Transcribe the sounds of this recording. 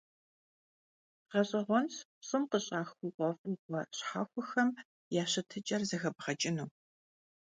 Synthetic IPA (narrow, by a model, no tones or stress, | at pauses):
qɐɕʼɪʁʷɔnspɕʼɨmqəɕʼaːxuqʷɔfʼɨmkʷɔɕħa̰ːxʷʊxɐm | jaːɕɐtʰɨt͡ʃʼɐrzɐɣɐbʁɐt͡ʃʼɪnuː